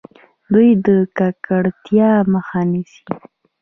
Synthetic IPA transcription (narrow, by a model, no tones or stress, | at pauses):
d̪ujd̪əkakaɽt̪jɑməxanisi̥